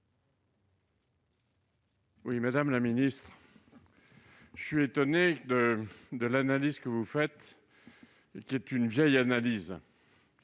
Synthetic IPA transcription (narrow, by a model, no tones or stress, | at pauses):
wimad̪amlaminist̪χ | ʒə̥sɥiet̪ɔned̪əd̪əlanalizkəvufɛt̪ | kʲiɛt̪ynvjɛjanaliz